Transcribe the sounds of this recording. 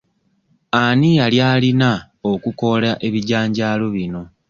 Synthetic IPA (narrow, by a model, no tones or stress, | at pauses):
anijaljaːlina | okuko̞laʔe̞βiɟaːɲɟaːlo̞βino̞